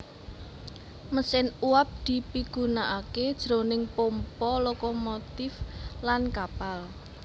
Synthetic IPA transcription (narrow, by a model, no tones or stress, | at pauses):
məsɪnuap̚d̪̥i̤piɡ̥unaʔaked̥ʒ̥ɾonɪŋpompɔlokomot̪ɪflankapal